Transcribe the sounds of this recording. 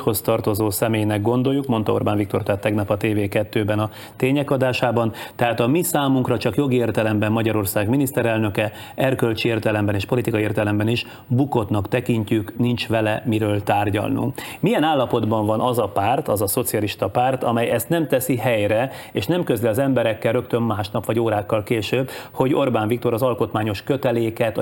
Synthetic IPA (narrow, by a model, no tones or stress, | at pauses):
ho̞st̪ɒrt̪o̞zoːsɛmeːjnɛɡ̚ɡo̞nd̪o̞jukmo̞nt̪ɒo̞̰rbaːnvikt̪o̞rt̪aːt̪ːɛɡnɒpɒt̪eːveːkɛt̪ːøːbɛnɒ | t̪eːɲɛkɒd̪aːʃaːbɒnt̪ɛɦaːt̪ɒmisaːmuŋkrɒt͡ʃɒkjo̞ɡieːrt̪ɛlɛmbɛmːɒɟɒɾo̞rsaːɡminist̪ɛɾɛlnø̞kɛ | ɛrkølt͡ʃieːrt̪ɛlɛmbɛneːʃpo̞lit̪ikɒieːrt̪ɛlɛmbɛniʃ | buko̞t̪nɒkt̪ɛkiɲcyknint͡ʃʋɛlɛmiɾøːlt̪aːrɟɒ̰lnṵŋkmijɛnaːlːɒpo̞d̪bɒɱvɒnʔɒzɒpaːrt̪ɒzɒso̞t̪siɒliʃt̪ɒpaːrt̪ɒmɛjɛst̪nɛmt̪ɛsiɦɛjɾɛ | eːʃnɛmkøzliɒzɛmbɛɾɛkːɛlrø̞kt̪ø̞mːaːʃnɒpʋɒɟoːɾaːkːɒlkeːʃøːbho̞ɟo̞rbaːɱvik̚t̪o̞ɾɒzɒlko̞t̪maːɲo̞ʃkøt̪ɛleːkɛt̪